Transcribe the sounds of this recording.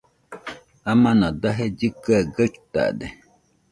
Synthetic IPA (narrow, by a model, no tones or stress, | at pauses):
amãnãdaɦed͡ʒikəɡəkta̰dɛ